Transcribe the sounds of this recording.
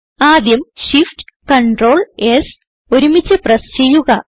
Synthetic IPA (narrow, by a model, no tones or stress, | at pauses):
aːd̪jɐmɕifʈkɐɳɖro̞ːɭes | oɾumit͡ɕːɨprɐst͡ɕe̞jːuɣɐ